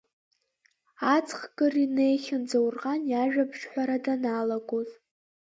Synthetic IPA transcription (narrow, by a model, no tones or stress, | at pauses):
at͡sʰχɡɨrine̞jχʲɪnd͡zawrʁanjaʒᶣabʰʂħʷᶣaɾadanalaɡʼoz